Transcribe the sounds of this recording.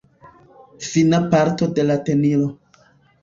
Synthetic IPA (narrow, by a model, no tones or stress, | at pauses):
finapaɾto̞de̞late̞niɾo